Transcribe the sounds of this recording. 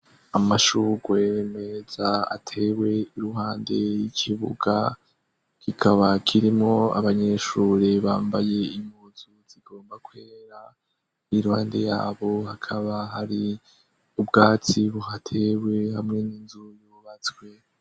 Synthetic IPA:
amaʃuɡweme̞zaa̰tʰe̞we̞iɾuɦaːnde̞jikʰiβṵɡa | kikʰaβakʰiɾimŋo̞a̰βaɲe̞ʃuːɾeβaːmbaje̞imuzuz̥iɡo̞ːmbakwe̞ːɾa | iɾuhaːnde̞ja̰ːβo̞hakʰaβaɦaɾi | ubɡaːt͡siβuɦatʰe̞we̞hamŋe̞niːnzujuβat͡skwe̞

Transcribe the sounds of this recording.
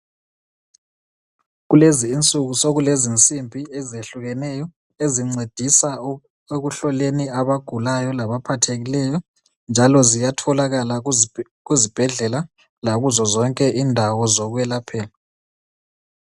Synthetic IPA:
ɣuleziːnt͡sʼuɣusoɣulezint͡sʼimbʱiɛzeɬuɣɛnɛjɔ | eziŋ͡ǀed̥ʱisa | eɣuɬɔleniaβaɡ̥ʱulajɔlaβapʰatʰeɣilɛjɔ | nd͡ʒʱalɔzijatʰɔlaɣala | ɣuzib̥ʱɛɮɛla | laɣuzɔzɔŋkʼɛʔindʱawɔzɔɣwɛlapʰɛːla

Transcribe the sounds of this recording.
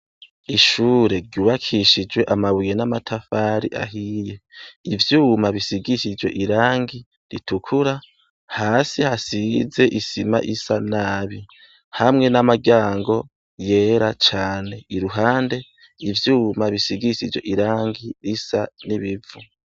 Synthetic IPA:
iʃuːɾe̞ɾɟuːβakʰiʃid͡ʒwe̞ʔamaβujenamatʰafaːɾḭʔa̰ɦiːje̞ivjuːmaβisiɡiiʃid͡ʒwe̞̰ʔiɾaːŋɡi | ɾitukʰuɾa | haːsihasize̞ʔisima̰ʔisanaːβi | hamŋe̞namaɡaːŋɡo̞ | je̞ːɾat͡ʃaːne̞iɾuɦaːnde̞ | ivjuːmaβisiɡiɾiʃid͡ʒwe̞ʔiɾaːŋɡiɾisaniβivu

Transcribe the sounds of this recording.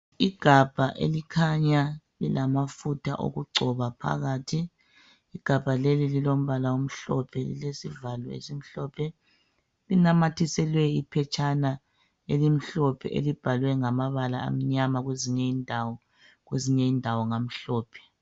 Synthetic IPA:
iɡ̥ʱab̥ʱaʔḛlikʰaɲa | lilamafutʰa̰ʔo̰ɣuɡ͡ǀʱɔβapʰa̰ɣaːtʰi | iɡ̥ʱab̥ʱalelililom̩βalaum̩ɬɔpʰɛlḭlesivalɔḛsim̩ɬɔpʰɛ | linamatʰisɛlwɛipʰɛt͡ʃʰʼana | elim̩ɬɔpʰɛ̰ʔḛlib̥ʱalwɛŋamaβalaa̰m̩ɲamaɣweziɲɛiːndʱawɔ | ɣweziɲɛiːndʱawɔŋam̩ɬɔːpʰɛ̥

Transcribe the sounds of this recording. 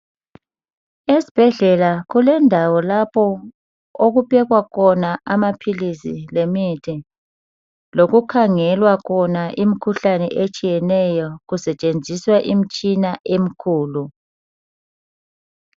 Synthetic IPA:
esi̥b̥ʱɛɮɛlaɣulɛndʱawɔlapʰɔ | oɣupɛɣwakʰɔnaʔamapʰilisḭlemitʰi | loɣukʰaŋɛlwakʰɔnaʔimikʰuɬanɛ̰ʔet͡ʃʼijɛnɛjɔɣusɛt͡ʃʼend͡zʱiswaʔimit͡ʃʼinaʔem̩kʰuːlu

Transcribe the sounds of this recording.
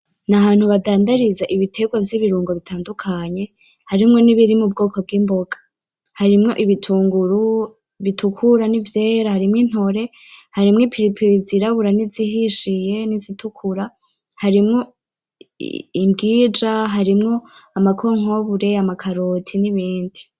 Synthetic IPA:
nahaːn̥huβadaːndaɾizaʔiβitʰe̞ɡwavjiβiɾuːŋɡo̞βitʰaːndukʰaɲe̞ | haɾimŋo̞niβiɾimub̚ɡo̞ːko̞b̚ɡiːmbo̞ɡḁ | haɾimŋo̞̰ʔiβitʰuːŋɡuɾu | βitʰukʰuɾanivjeːɾahaɾimŋin̥ho̞ɾe̞ | haɾimŋipʰiɾipʰiɾziɾaβuɾaniziɦiʃije̞nizitʰukʰuɾa | haɾimŋo̞̰ | imbɡiːd͡ʒaɦaɾimŋo̞amakʰo̞ŋ̥o̞βuɾe̞amakʰaɾotʰiniβiːndi

